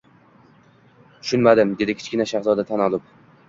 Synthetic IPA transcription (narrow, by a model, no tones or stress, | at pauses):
t̪ʰʊ̥ʃʊnmad̪ɪmd̪e̞d̪ɪkʲʰɪ̥t͡ʃkʲɪnaʃahzɒd̪at̪ʰanɒlˠɪp̚